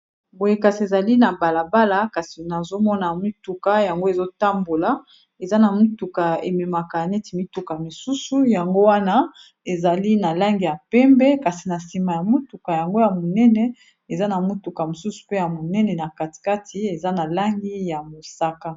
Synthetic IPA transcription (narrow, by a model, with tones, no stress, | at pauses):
bo˨je˦ka˨si˨e˨za˨li˦na˨ba˨la˨ba˦la˨ka˨si˨na˨zo˦mɔ˦na˨mu˦tu˨ka˦ja˨ŋɡo˦e˨zo˦ta˦mbo˨la˨ | e˨za˦na˨mu˦tu˨ka˨e˨me˨ma˨ka˨nɛ˦ti˨mi˦tu˨ka˨mi˨su˦su˨ja˨ŋɡo˦wa˦na˦ | e˨za˨li˦na˨la˦ŋɡi˨ja˨pɛ˦mbɛ˦ka˨si˨na˨si˨ma˨ja˨mu˦tu˨ka˨ja˨ŋɡo˦ja˨mo˨nɛ˦nɛ˦ | e˨za˦na˨mu˦tu˨ka˨mo˨su˦su̥˨pe˦ja˨mo˨nɛ˦nɛ˨na˨ka˨ti̥˨ka˦tʰi˦e˨za˦na˨la˦ŋɡi˦ja˨mo˨sa˦ka˦